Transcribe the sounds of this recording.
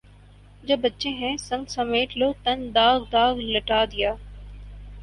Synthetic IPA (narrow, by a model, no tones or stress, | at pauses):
d͡ʒɐbːətːʃẽɦɛ̃sɐ̃ŋɡsɐmeːʈʰloːt̪ɐnd̪aːɡd̪aːɡlɐʈaːd̪ɪjaː